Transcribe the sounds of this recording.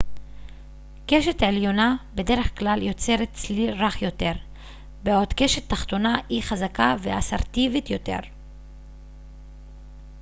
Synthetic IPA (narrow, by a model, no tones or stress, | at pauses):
keʃetʕeljo̞nabe̞de̞ʁe̞χklaljo̞t͡se̞ʁet̪t͡sliʁaχjo̞te̞ʁ | beo̞dkeʃet̪ːaχt̪onaiχazakavea̰sḛʁtivitjo̞te̞̰ʁ